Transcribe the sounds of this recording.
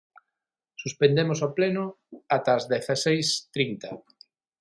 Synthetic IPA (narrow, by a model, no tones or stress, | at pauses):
suspend̪emosaplenʊ | at̪ɐːzðeθasejst̪ɾint̪ɐ